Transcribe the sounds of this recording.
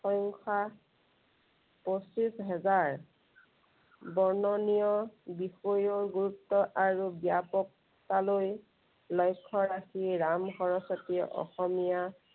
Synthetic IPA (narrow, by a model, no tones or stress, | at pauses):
xɔjŋkʰa | posisɦɛzaɹ | bɔɹnɔnijɔbixɔjɔɹɡuɹutːɔʔaɹubijapɔk̚ | taloj | lɔjkʰːɔɹaxiɹamɦɔɹɔsɔtiʔɔ̰xɔmija